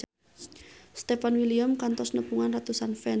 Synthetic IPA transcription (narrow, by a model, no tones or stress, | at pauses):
st̪efanwiliamkant̪ɔsnəpuŋanrat̪usanfɛ